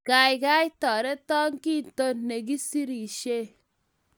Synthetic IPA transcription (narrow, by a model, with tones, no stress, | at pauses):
ɡ̥a˨jɡa˦jtɔ˨ɾe˦tɔ˦ŋki˦˨to˦nːe˨ɡi˦si˦ɾi˨ʃe˦